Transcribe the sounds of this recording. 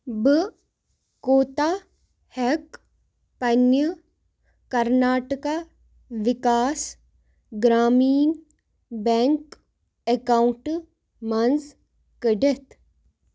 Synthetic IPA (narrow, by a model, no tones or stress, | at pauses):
bə | koːt̪a | hɛk | pɐnjə | kɐɾnaːʈəka | ʋɪkaːs | ɡɾaːmiːn | bɛŋk | ekauɳʈ | mɐnz | kəɖet̪